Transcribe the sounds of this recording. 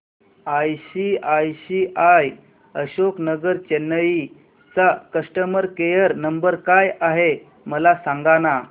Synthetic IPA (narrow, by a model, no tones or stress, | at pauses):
ajɕiajɕiʔaj | əɕoknəɡəɾt͡ɕenːəi | t͡sakəsʈəməɾkejəɾnəmbəɾkajaɦe | məlasaŋɡana